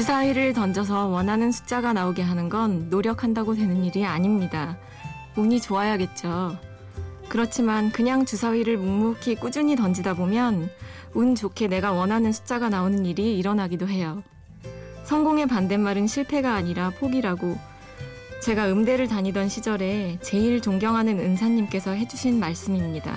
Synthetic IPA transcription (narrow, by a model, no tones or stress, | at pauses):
t͡ɕusʰawiɾɯɭtʌnd͡ʑʌs̬ʰʌwʌnɦanɯnsʰu̥t͡ɕ͈aɡanaoɡe̞ɦanɯnɡʌnːoɾjʌkʰandaɡodwe̞nɯniɾiaɲimɲida | uɲit͡ɕoajaɡe̞t̚t͡ɕ͈o | kɯɾʌt͡ɕʰimankɯɲaŋt͡ɕusʰawiɾɯɭmummukʰik͈ud͡ʑuɲitʌnd͡ʑidabomjʌn | unt͡ɕokʰe̞ne̞ɡawʌnɦanɯnsʰu̥t͡ɕ͈aɡanaonɯniɾiːɾʌnaɡidoɦe̞jo | sʰʌŋɡoŋe̞pande̞nmaɾɯnɕʰiɭpʰe̞ɡaːɲiɾapʰoɡiɾaɡo | t͡ɕe̞ɡaɯmde̞ɾɯɭtaɲidʌnɕʰid͡ʑʌɾe̞t͡ɕe̞iɭt͡ɕoŋɡjʌŋɦanɯnɯnsʰaɲːimk͈e̞sʰʌɦe̞d͡ʑuɕʰinmaɭs͈ɯmimɲida̰